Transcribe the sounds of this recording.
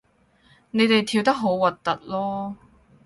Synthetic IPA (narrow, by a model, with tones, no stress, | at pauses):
ne˨˧jt̪e˨jt̪ʰiː˧wt̪ɐ˥k̚ɦo˨˥wwɐ˨˩t̚t̪ːɐ̰˨t̚lɔː˥